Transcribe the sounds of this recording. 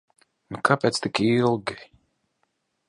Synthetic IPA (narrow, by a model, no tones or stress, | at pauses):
nukapʲɛt̪st̪ikilˠɡʲi